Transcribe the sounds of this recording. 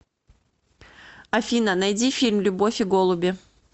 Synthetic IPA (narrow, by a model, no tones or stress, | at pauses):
ɐfʲinənɐjdʲifʲilʲmlʲʊbo̞fʲɪɡolˠʊbʲɪ